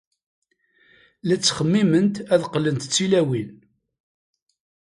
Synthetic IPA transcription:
læt͡sːχəmːimənt̪æðqːlənt̪t͡sːilæwin

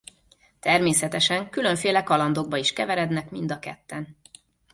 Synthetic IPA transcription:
t̪ɛrmeːsɛt̪ɛʃɛŋkylø̞ɱfeːlɛkɒlɒnd̪o̞ɡ̚bɒiʃkɛvɛɾɛd̪nɛkmind̪ɒkɛ̰t̪ːɛn

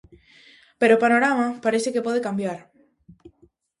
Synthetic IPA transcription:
peɾopanoɾamapaɾeθekepoð̞ekambjaɾ

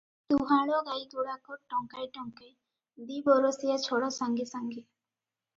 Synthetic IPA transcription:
t̪uɦaɽɔɡajɡ̪uɽakɔɾʈɔŋkajʈɔŋke | d̪ibɔɾɔsijat͡ʃʰɔɽɔsaŋɡisaŋɡi

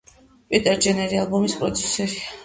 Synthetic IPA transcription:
pʼit̪ʼɛɾd͡ʒɛnɛɾialˠbɔmispʼɾɔt̪sʰɛ̥sɛɾia

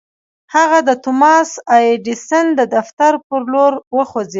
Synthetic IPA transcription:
haɣad̪ət̪ʊmɑsajeɖisənd̪əd̪aft̪aɾpəɾloɾwəxod͡zi

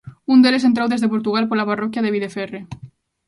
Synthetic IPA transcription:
und̪eleent̪̬ɾawðezðepoɾt̪uɣalpolaparɔkjaðeβ̞iðefɛre

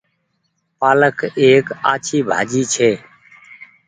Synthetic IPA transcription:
paːləkʰeːka̰ːt͡ʃʰiːbʱa̰ːd͡ʒiːt͡ʃʰeː

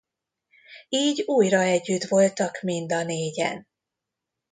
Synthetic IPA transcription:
iːɟuːjrɒɛɟːyt̪vo̞lt̪ɒkmind̪ɒneːɟɛ̰n

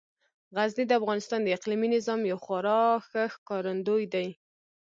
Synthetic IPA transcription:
ɣaznid̪əafɣɑnɪst̪ɑnd̪əɪqliminɪzɑmjawxʊɾɑxəxkɑɾand̪ojd̪aj

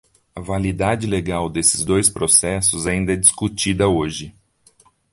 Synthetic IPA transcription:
ɐvalid̪ad͡ʒɪleɡawd̪esɪzd̪ojspɾosɛsʊzaĩnd̪ɐɛd͡ʒiskut͡ʃid̪ɐoʒɪ

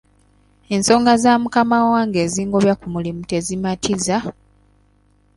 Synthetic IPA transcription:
e̞nso̞ːŋɡazaːmukamawaːŋɡe̞ːziːŋɡo̞ːβjakumulimute̞zimatʰiza

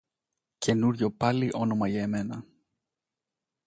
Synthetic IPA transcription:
cʰe̞nuɾʝo̞pɐliʔo̞no̞mɐʝɐeme̞nɐ

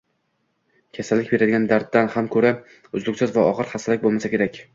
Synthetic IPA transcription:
kʲʰasalːɪk̚ʲbe̞ɾad̪ɪɡʲand̪aɾt̪̚ːanhamkʰɵɾa | ʊzlˠʊkʲsɪzvaɒʁɨɾχasalɪk̚ʲbolˠmasakʲe̞ɾakʲ

